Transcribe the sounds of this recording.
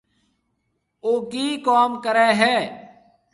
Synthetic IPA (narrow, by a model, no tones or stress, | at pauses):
oːkiːkaːmkəɾɛːɦɛː